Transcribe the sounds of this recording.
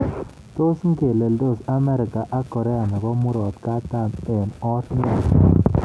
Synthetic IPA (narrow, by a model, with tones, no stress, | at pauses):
t̪o˦sŋ̩˦ke˨le˨ldo˦˨sa˦mɛ˦ɾɪ˨ka˨ʔa˦kːɔ˨ɾɛ˦a˨na˨ɡɔ˦mu˦ɾɔ˨t̪ka˦ta˦˨mɛ˨nɔ˦t̪na˦˨n